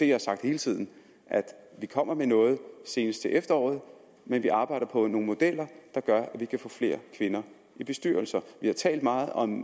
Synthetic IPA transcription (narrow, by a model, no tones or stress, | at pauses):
d̥e̝jɑhɑsɑ̈ɡ̥̚d̥he̝ːlət͡sʰið̞̰ˠn̩ | ʔæd̥ʋikʰɒ̽m̰ɐmenɔ̽ːð̞̩ˠse̝ːnəsd̥t͡sʰe̝ʔefd̥ɐɒ̰ːð̞̩ˠ | menʋiʔɑ̈ːb̥ɑ̈ɪ̰ɾ̥ɐpʰɒ̽no̝ːŋn̩mo̝d̥el̰ɐd̥ɑ̈ɡ̥ɶɐʔæʋikʰæfɔ̰̽ːfle̝̰ːɐkʰʋe̝nɐ | ʔib̥e̝sd̥yːɐl̩sɐʋihɑ̈t͡sʰɛ̰ːld̥mɑ̈ːð̞̩ˠɒ̽m